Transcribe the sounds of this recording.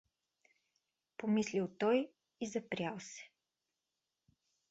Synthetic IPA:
pomislilˠt̪ɔj | izɐpɾʲjalˠsɛ̥

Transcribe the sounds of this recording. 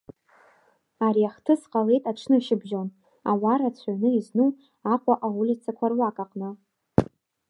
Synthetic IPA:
aɾiaχtʰɨsqʼale̞jtʼaʈ͡ʂʰnɨʃɪbʒon | awaɾat͡ɕʷʰaɥnɨiznu | aqʷʼaʔaulit͡sʰakʷʰarwakʼaqʼnɨ

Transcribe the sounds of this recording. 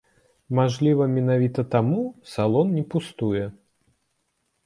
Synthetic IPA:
maʐlʲivɐmʲɪnavʲit̪ɐt̪amusalˠɔnnʲipust̪ujɛ

